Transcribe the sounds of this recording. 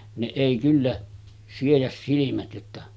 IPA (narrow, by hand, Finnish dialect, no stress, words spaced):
ne eˑi kylːæ siejæs silimæt jotːɑ